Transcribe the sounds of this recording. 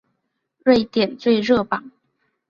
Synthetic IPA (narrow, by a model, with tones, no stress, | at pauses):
ɻe˥˩ɪt̪jɛ˨˩nt͡swe˥˧ɪɻɤ˥˩pɑ˨˩˦ŋ